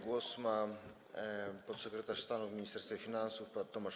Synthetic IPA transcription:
ɡwɔsma | pɔt̪sɛkɾɛt̪aʂst̪anufmʲiɲist̪ɛɾst̪fʲafʲinansufpat̪ːɔmaʂ

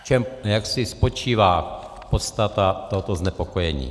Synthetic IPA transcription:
t͡ʃɛmjaksɪspo̞t͡ʃiːvaː | pot̪st̪at̪at̪oɦot̪oznɛpokojɛɲḭː

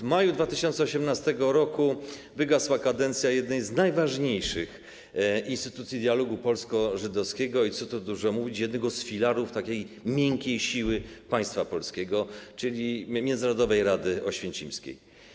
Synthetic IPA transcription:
vmajud̪vat̪ɘɕɔnt̪sɛɔɕɛmnast̪ɛɡɔɾɔku | vɘɡaswakad̪ɛnt̪sʲjajɛd̪nɛjznajvaʐɲejʂɘx | inst̪ɘ̥t̪ut̪sʲid̪jalɔɡupɔlskɔʐɘd̪ɔfskʲɛɡɔit̪sɔt̪ɔd̪uʐɛmuvʲit͡ɕjɛd̪nɛɡɔsfʲilaɾuft̪akʲej | mʲjɛŋkʲejɕiwɘpaj̃st̪fapɔlskʲeɡɔt͡ʂɘlʲimʲjɛnznaɾɔd̪ɔvɛjɾad̪ɘɔɕfʲjɛnt͡ɕimskʲḛj

